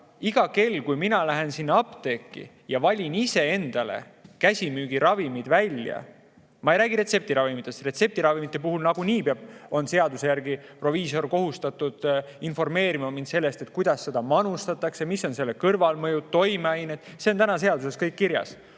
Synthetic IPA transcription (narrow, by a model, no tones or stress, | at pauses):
iɡ̥ɑke̞lːkujminɑlæɦe̞nsinːɑɑpt̪e̞ːkːḭ | jɑvɑlʲinise̞e̞nd̪̥ɑle̞̰ | kæsʲimyːɡ̥iɾɑvimid̪̥vælʲjɑ̰ | mɑejɾæːɡ̥iɾe̞t̪se̞p̚t̪iɾɑvimit̪ːˑe̞st̪re̞t̪se̞p̚t̪iɾɑvimit̪ːˑe̞puhulnɑɡ̥uniːpeɑb̥̚o̞nse̞ɑd̪use̞jærɡipro̞viːso̞rko̞ɦust̪ɑt̪ud̪̥ | info̞rme̞ːɾimɑmind̪se̞lːe̞st̪e̞t̪̚kujd̪̥ɑsːe̞d̪̥ɑmɑnust̪ɑt̪ːˑɑksemisːo̞nse̞lːekɤrvɑlmɤjud̪̚t̪o̞jmeɑjnet̪ːˑse̞o̞nt̪ænɑs̬e̞ɑd̪use̞skɤjkːiɾjɑ̰s